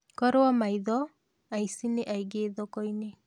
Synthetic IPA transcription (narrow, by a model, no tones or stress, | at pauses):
kɔɾeɔmaiðɔ | aisineʔaiɡeðɔkoine